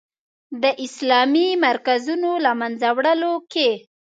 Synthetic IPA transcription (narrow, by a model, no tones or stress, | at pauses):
d̪əʔɪslɑmimaɾkazunolamanzawɽəloke